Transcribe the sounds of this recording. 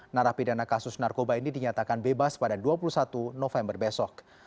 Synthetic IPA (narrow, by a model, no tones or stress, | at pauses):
naɾahpidanakasʊsnarkobainidiɲat̪akanbebaspadaduapulusat̪unɔfɛmbərbɛsɔk̚